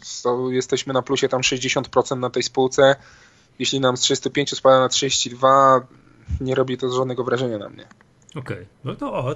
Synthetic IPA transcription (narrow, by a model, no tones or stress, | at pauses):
st̪ɔjɛst̪ɛɕmɘnapluɕɛt̪amʂɛʑd͡ʑeɕɔnt̪̚pɾɔt̪sɛnt̪nat̪ɛjspuwt̪sɛ | jeɕlʲinamstʂɘst̪upʲeɲt͡ɕuspad̪anatʂɨd͡ʑeɕt͡ɕid̪va | ɲɛɾɔbʲit̪ɔʐad̪nɛɡɔvɾaʐɛɲana̰mɲɛ̰ | ɔkɛjnɔt̪ɔɔ